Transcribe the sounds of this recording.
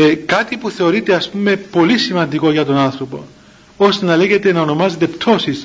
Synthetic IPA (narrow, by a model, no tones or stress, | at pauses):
ekɐt̪ipuθe̞o̞ɾit̪e̞ɐspume̞po̞lisimɐnd̪iko̞ʝɐt̪o̞nɐnθɾo̞po̞̰ | o̞st̪enɐle̞ʝe̞t̪e̞nɐono̞mɐzet̪e̞pt̪ʰo̞sis